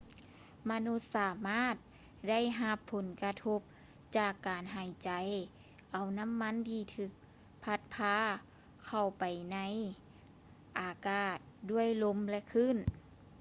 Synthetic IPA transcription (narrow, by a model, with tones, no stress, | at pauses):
ma˧nu˧˥t̪̚saː˨˧˦maː˥˩˨t̪̚ | da˥˩˨jɦa˧pʰːo˨˩˦nka˧t̪ʰo˧p̚ | t͡ɕaː˧˩kːaː˨˩nɦaː˨˩jt͡ɕa˨˩j | ʔa˨˩wna˧˥˨mːa˧˥˨nt̪ʰiː˧t̪ʰɯː˧˩k̚ | pʰa˧t̪̚pʰaː˧˥ | kʰa˧˩wpa˨˩jna˧˥˨j | ʔaː˨˩kaː˧˩t̪̚du˧˥˩əjlo˧˥mlɛ˧kʰɯ˧˥˨n